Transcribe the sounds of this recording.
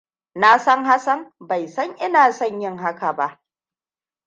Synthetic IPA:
na˦sɐ˦ŋɦa˦sɐ˦mba˨jsɐ˦ŋʔɪ˦naː˨sɐ˦˨ɲjɪ˦ŋɦa˦ka˨ba˦˨ʔ

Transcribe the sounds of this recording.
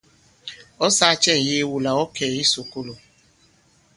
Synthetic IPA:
ɔ˦sa˦a˦t͡ʃɛ˦˨jɪ˦wu˨la˨ɔ˦ke˨ɾi˦su˨ku˦lu˨

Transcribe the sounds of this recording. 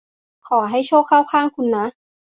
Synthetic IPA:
kʰɔː˩ɦa˥˩jt͡ɕʰɔː˥˩kʰːaː˥˩wkʰaː˥˩ŋkʰu˧nːa˦˥

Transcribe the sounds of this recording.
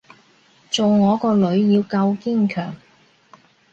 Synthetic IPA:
t͡so˨wŋɔː˨˧kɔː˧lɵ˨˧˥ɥjiː˧wkɐ˧wki˥ŋkʰœ̰ː˨˩ŋ

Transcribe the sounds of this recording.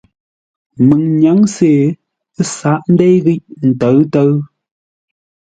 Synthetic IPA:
mɨ˨ŋɲa˨˦ŋse˨ | ə˦sa˨˦ʔn̩˦de˦jɣi˦ʔn̩˨tə˨˦ɰtə˦ɰ

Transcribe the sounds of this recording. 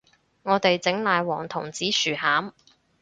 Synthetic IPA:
ŋɔː˨˧t̪e˨jt͡sɪ˨˥ŋlaː˨jwɔː˨˩ŋt̪ʰʊ˨˩ŋt͡siː˨˥syː˨˩haː˨˥m

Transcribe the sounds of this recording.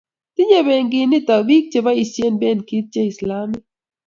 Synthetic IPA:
t̪i˦ɲe˦βe˨ŋɡi˨ni˦t̪a˨bi˦k̚t͡ʃe˨ba˦i˨se˦nbe˦nki˦t̪̚t͡ʃe˦i˨slaː˦me˦

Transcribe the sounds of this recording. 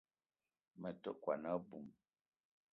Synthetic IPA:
mə˨to˦kwa˨na˦bu˨m

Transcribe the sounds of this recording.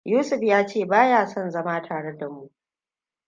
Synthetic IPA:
juː˦sʊ˨ɸjaː˦t͡ʃeː˦˨baː˦jaː˦˨sɔ˦˨nzɐ˦maː˦tʰaː˨ɽe˦da˨mu˦ʔ

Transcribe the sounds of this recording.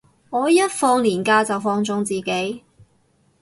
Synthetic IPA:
ŋɔː˨˧jɐ˥t̚fɔː˧ŋliː˨˩nkaː˧t͡sɐ˨wfɔː˧ŋt͡sʊ˧ŋt͡siː˨˩ke˨˥j

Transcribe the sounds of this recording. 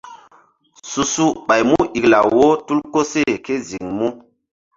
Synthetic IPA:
su˨su˦ɓa˨jmu˦ʔi˨kla˨wo˦tu˦lko˦se˦˨ke˦zi˨ŋmu˦

